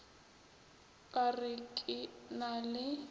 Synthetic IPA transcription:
kʼarɪkʼɪnalɪ

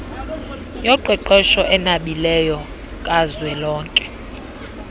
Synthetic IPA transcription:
jɔǃwɛǃɛʃɔʔɛnaɓilɛjɔ | kʼazwɛlɔːŋkʼɛ̥

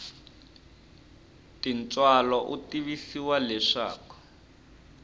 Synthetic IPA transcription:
tint͡sʼwalɔʔutiβisiwalɛʂa̰ːkɔ̥

